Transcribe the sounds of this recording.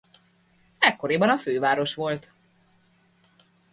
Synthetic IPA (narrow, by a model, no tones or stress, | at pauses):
ɛkːo̞ɾeːbɒnɒføːvaːɾo̞ʃʋo̞lt̪